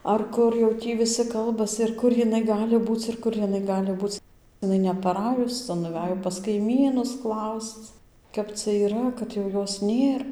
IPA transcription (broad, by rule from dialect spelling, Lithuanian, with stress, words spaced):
ɐr ˈkʊr jɛʊ ˈtʲiː ʋʲɪˈsʲɪ ˈkɐlˠbɐs ɪr ˈkʊr jɪˈnɐɪ ˈɡɑːlʲɪ ˈbuːt͡s ɪr ˈkʊr jɪˈnɐɪ ˈɡɑːlʲɪ ˈbuːt͡s ɪˈnɐɪ nʲɛpɐˈrɑːjʊs ˈt͡sɐ nʊˈʋʲæjoː pɐs kɐɪˈmʲiːnʊs ˈklˠɐʊst͡s ˈkɐp t͡sʲɛ iːˈrɐ kɐt jɛʊ ˈjoːs ˈnʲeːr